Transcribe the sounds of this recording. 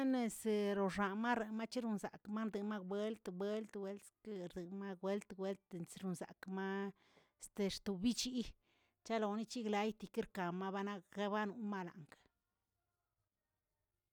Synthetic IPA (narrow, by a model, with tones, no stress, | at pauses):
a˦ne˧sɾo˨ʐa˨ma˦ɾe˨ma˦t͡ʃi˦ɾu˧nza̰˨kma˦ɾd̪e˨ma˦bwe˦lt̪bwe˦lt̪we˧˦lske˧ɾd̪e˨ma˦ɡwe˦lt̪ɡwe˦lt̪nsɾu˧˨nza̰˨kma˦˧ | st̪e˨˧ɾt̪u˧˨bi˦t͡ʃi˦ | t͡ʃa˦lo˨ni˦t͡ʃi˦ɡla˧jt̪i˨ki˦ɾka˨ma˦ba˦na˦kɡa˦ba˦nu˧˦ma˦la̰˨ŋkḁ˨